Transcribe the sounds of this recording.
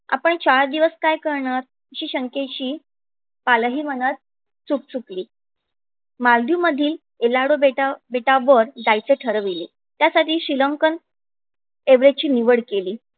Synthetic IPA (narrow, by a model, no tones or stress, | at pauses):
a̰pəɳt͡ɕaɭd̪iʋəskajkəɾɳaɾ | ɕiːɕəŋket͡ɕiː | palɦiːmənət̪̚ | t͡suk̚t͡sukliː | mald̪juməd̪ʱiːl | elaɽobeʈabeʈaʋəɾd̪ajt͡seʈʰəɾʋile | t̪jasaʈiːɕɾiləŋkən | eʋɾet͡ɕiːniʋəɽkeliː